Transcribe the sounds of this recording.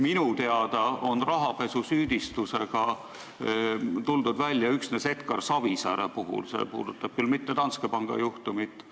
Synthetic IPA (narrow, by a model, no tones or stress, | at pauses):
minut̪e̞ɑd̪̥ɑo̞nrɑɦɑpe̞susyːd̪̥ist̪use̞ɡ̥ɑ | t̪uld̪ud̪vælʲjɑyksne̞se̞t̪kɑrsɑvisæɾḛpuɦṵlse̞̰pṵːd̪̥ut̪ˑːɑb̥̚kylmit̪ːet̪ɑnskepɑŋɡ̥ɑ̰juht̪umit̪ːˑ